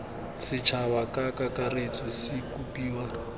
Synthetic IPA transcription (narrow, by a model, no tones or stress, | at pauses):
sɪt͡ʃʰawakʼakakaret͡sʼɔsɪkupʼiːwa